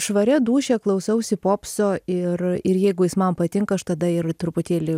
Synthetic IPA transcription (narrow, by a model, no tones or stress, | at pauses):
ʃʋɐɾʲɛd̪uːʃʲɛklˠɐʊsɐʊsʲɪpoːpsoːɪrɪɾjɛɪɡʊjɪsmɐmpɐt̪ʲɪŋkɐʃt̪ɐd̪ɐɪrt̪ɾʊpʊt̪ʲeːlʲɪ